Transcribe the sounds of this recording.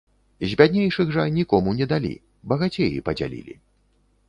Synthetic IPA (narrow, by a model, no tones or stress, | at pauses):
zʲbʲad̪ʲnʲejʂɨɣʐɐnʲikɔmunʲɛd̪alʲḭ | bɐɣat͡sʲejḭpɐd͡zʲa̰lʲḭlʲḭ